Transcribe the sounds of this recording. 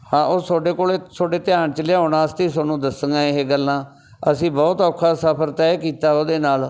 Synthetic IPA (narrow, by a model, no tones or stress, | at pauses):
hãːʔoːsoːɖeːkoːleːsoːɖeːt̪ɪjaːɳt͡ʃəleoːnãːəst̪iːs̬onũːd̪əsəŋɡãːɪɦeːɡəlːãː | əsĩːbɔːt̪ɔːkʰːaːsəpʰəɾt̪ɛːkiːt̪aːoːd̪eːnaːl